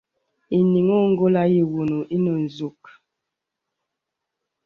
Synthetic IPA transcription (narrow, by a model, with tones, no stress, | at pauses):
i˨ni˨ŋo˦ŋ̩˦ɡo˦la˦ji˨wu˨nu˨i˦no˨n̩˨zu˨k̚